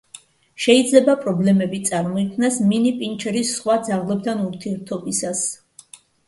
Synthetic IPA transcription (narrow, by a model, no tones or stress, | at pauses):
ʃɛid̪zlɛbapʼɾɔblɛmɛbit̪sʼaɾmɔikʰmnasminipʼint͡ʃʰɛɾisːχwad̪zaʁlˠɛb̚d̪ʰanuɾt̪ʰiɛɾt̪ʰɔbisas